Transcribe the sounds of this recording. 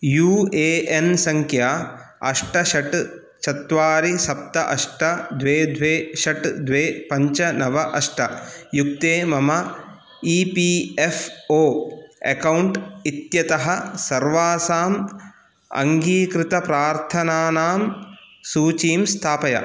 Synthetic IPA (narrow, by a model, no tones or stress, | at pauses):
juːeːʔensɐŋkʰjaːɐ̰ʂʈɐʃɐʈ | t͡ʃɐt̪ʋaːɾisɐp̚t̪ɐʔɐ̰ʂʈɐd̪ʋeːd̪ʱʋeːʃɐʈd̪ʋeːpɐɲt͡ʃɐnɐʋɐʔɐʂʈɐjuk̚t̪eːmɐmɐ | iːpiːefoːḛkɐwɳʈit̪jɐt̪ɐɦɐsɐɾʋaːsaːm | ɐ̰ŋɡiːkɾɪt̪ɐpɾaːɾt̪ʰɐnaːnaːm | suːt͡ʃiːmst̪ʰaːpɐjɐ̰